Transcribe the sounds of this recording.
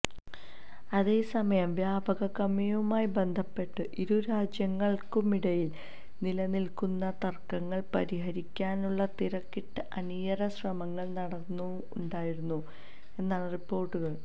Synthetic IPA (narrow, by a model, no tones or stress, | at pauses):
ɐðe̞ːsɐmɐjɐmʋjaːbɐɣɐkɐmɐjɐumaːjibe̞nd̪ʱɐpːe̞ʈːɨʔiɾuɾaːd͡ʑjɐŋːɐɭkumiɽɐjil | nilɐnilkunːɐt̪ɐrkːɐŋːɐɭpɐɾiɦɐɾikʲːaːnuɭːɐt̪iɾɐkːiʈːɨʔɐnijɐrɐɕrɐmɐŋːɐɭnɐɽɐnːuːɳɖaːjiɾunːu | e̞nːaːɭripːo̞ːrʈːuɣɐɭ